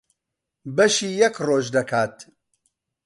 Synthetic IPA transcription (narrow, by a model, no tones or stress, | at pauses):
bɐʃiːjɛkroːʒd̪ɐkʰaːt̪